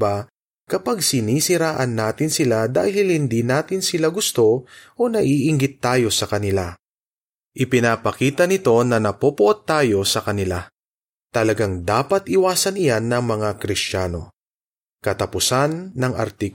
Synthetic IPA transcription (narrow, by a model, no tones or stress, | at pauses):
ba | kɐpaɡ̚sɪniːsɪɾaːʔɐnːaːt̪ɪnsɪlad̪a̰ːhɪlhɪnd̪inaːt̪ɪnsɪlaɡʊst̪o̞ʔo̞nɐʔiʔɪŋɡɪt̪ːaːjo̞sɐkɐnɪla | ʔɪpɪnaːpɐkiːt̪ɐnɪt̪o̞nɐnɐpopʊʔot̪ːaːjo̞sɐkɐnɪla | t̪ɐlɐɡaŋd̪aːpɐt̪ʔɪwaːsɐnɪjanːɐŋmɐŋakɾɪst͡ʃaːno̞̰ | kɐt̪ɐpʊsanːɐŋʔɐ̰ɾt̪i